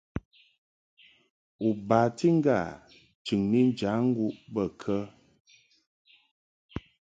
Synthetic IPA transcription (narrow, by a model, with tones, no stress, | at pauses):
u˨baː˨ti˦ŋ̩˦ɡa̰˦˨ | t͡ʃʉ˨ŋni˦n˦d͡ʒa˨˦ŋ̩˦ɡu˦ʔbə˦˨kʰə˦